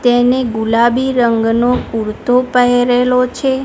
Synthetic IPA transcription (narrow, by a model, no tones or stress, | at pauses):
t̪eneɡulabiɾəŋɡnopuɾt̪ʰopəɦeɾelot͡ʃʰe